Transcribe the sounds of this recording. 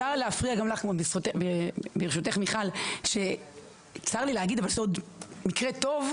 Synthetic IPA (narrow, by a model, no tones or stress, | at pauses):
aʁleafʁiaɡamlaχmobisotebebeʁeʃut̪eχmiχalʃe | t͡saʁlilehaɡid̪avalzod̪mikʁet̪o̞v